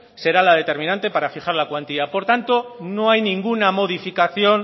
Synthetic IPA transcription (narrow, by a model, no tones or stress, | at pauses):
se̞ɾalað̞e̞t̪e̞ɾmĩnãnt̪e̞paɾafiχaɾlakwant̪iapo̞ɾt̪ant̪o̞no̞ajnĩŋɡunamo̞ð̞ifikaθjo̞n